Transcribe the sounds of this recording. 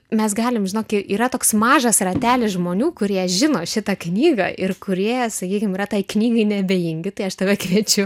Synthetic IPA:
mʲɛsɡɑːlʲɪmʒʲɪnoːkʲɪʔiːɾɐt̪oːksmɑːʒɐsrɐt̪ʲæːlʲɪsʒmoːnʲuːkʊɾʲiɛʒʲɪnoːʃʲɪt̪ɐknʲiːɡɐ̰ʔɪrkʊɾʲiɛsɐkʲiːkʲɪmiːrɐt̪ɐɪknʲiːɡɐɪnʲɛbʲeːjɪŋʲɡʲɪt̪ɐɪɐʃt̪ɐʋʲɛkʋʲiɛt͡ʃʲʊ

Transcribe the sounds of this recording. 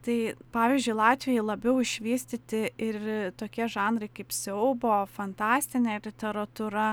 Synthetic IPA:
t̪ɐɪpɑːʋʲiːzʲd͡ʒʲʊɪlˠɑːt̪ʲʋʲɪjɛɪlˠɐbʲɛʊɪʃʲʋʲiːsʲt̪ʲɪt̪ʲɪɪt̪oːkʲiɛʒɑːnɾɐɪkɐɪpsʲɛʊboːfɐnt̪ɑːsʲt̪ʲɪnʲɛlʲɪt̪ʲɛɾɐt̪uɾɐ

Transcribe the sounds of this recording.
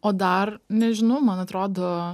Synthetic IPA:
oːd̪ɐrnʲɛʒʲɪnɐʊmɐnɐt̪ɾoːd̪oː

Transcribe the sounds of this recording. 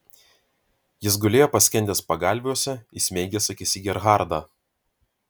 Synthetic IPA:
jɪs̬ɡʊlʲeːjopɐsʲkʲɛnʲt̪ʲɛːspɐɡɑˑlʲʋʲuɔsʲɛɪsʲmʲɛɪɡʲɛsɐkʲɪsʲɪɡʲɛɾɣɑˑɾd̪ɑː

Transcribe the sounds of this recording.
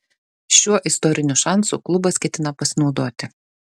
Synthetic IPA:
ʃʲuɔʔɪst̪ɔɾʲɪnʲuʃɑˑnsṵːˑklˠʊbɐskʲɛt̪ʲɪnɐpɐsʲɪnɒʊd̪oːt̪ʲɪ

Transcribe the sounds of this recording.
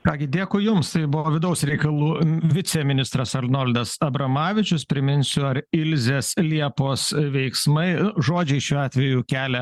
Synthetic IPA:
kɑːɡʲɪd̪ʲeːkʊjʊmst̪ɐɪbʊoːʋʲɪd̪ɐʊsɾʲɛɪkɐlˠuːʋʲɪt̪sʲɛmʲɪnʲɪst̪ɾɐsɐlnoːlʲd̪ɐsɐbɾɐmɑːʋʲɪt͡ʃʲʊspʲɾʲɪmʲɪnʲsʲʊɐɾɪlʲzʲeːslʲiɛpoːsʋʲɛɪksmɐɪʊʒoːd͡ʒʲɛɪʃʲuːɑːt̪ʲʋʲɛjuːkʲæːlʲɛ

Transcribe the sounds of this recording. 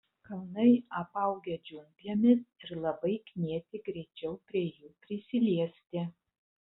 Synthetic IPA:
kɐlˠnɐɪɐpɐʊɡʲɛd͡ʒʲʊmʲpʲjɛmʲɪsɪɾlˠɐbɐɪkʲnʲiɛt̪ʲɪɡɾʲɛɪt͡ʃʲɛʊpʲɾʲiɛjuːpʲɾʲɪsʲɪlʲiɛsʲt̪ʲɪ

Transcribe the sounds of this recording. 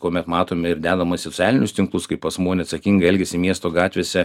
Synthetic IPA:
koːmʲɛt̪mɑːt̪oːmʲɪɪɾd̪ʲæːd̪ɐmɐsot͡s̪ʲɪɑːlʲɪnʲʊst̪ʲɪŋklˠʊskɐɪppɐsmoːnʲɛɐt̪sɐkʲiŋɡɐɛlʲɡʲɛsʲɪmʲiɛst̪oːɡɑːt̪ʲʋʲeːsʲɛ

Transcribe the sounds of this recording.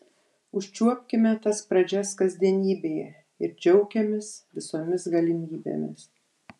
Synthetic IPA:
ʊʃʲt͡ʃʲuɔpʲkʲɪmʲɛt̪ɐspɾɐd͡ʒʲæskɐzʲd̪ʲiɛnʲiːbʲeːjɛ̰ | ɪɾd͡ʒʲɛʊkʲɛmʲɪsʋʲɪsoːmʲɪsɡɐlʲɪmʲiːbʲḛːmʲɪ̰s

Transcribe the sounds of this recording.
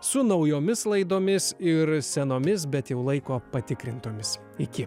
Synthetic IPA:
sʊnɐʊjoːmʲɪslˠɐɪd̪oːmʲɪsɪɾsʲɛnoːmʲɪs̬bʲɛt̪jɛʊlˠɐɪkoːpɐt̪ʲɪkɾʲɪnt̪oːmʲɪs | ɪkʲɪ

